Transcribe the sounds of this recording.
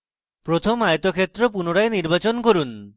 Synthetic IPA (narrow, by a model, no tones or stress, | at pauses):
pɾot̪ʰomajt̪okʰet̪ːɾopunoɽaeniɾbat͡ɕonkoɾun